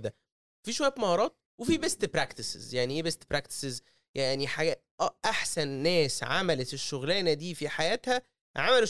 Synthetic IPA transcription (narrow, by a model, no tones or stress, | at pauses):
d̪æ | fiːʃowæjæt̪mɑhɑɾˤɑːt̪̚wefiːbest̪bɾækt̪isḛzjaʕniʔeːbest̪pɾækt̪e̥sez | jaʕniħaɡæʔæʔaħsænːæːsʕa̰mælet̪eʃːoɣlæːnæd̪iːfiħajæːt̪hæ | ʕamæle